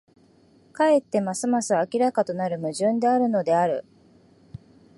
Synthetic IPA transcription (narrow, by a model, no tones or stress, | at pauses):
kae̞t̪ːe̞masɨmasɨakʲiɾakat̪o̞naɾɯ̟mɯ̟ʑɨ̃nd̪e̞aɾɯ̟no̞d̪e̞aɾɯ̟̰